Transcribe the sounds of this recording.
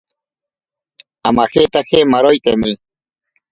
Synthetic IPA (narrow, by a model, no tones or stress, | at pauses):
amaxet̪axemaɾojt̪eni